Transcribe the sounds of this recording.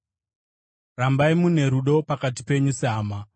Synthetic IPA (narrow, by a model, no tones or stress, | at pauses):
rambaimune̞ɾuɗo̞pakatipe̞ɲuseɦaːma